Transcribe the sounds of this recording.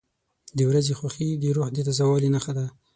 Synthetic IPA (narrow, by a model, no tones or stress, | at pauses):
d̪əwɾazexwaxid̪əɾoxd̪et̪azawɑlinaxad̪a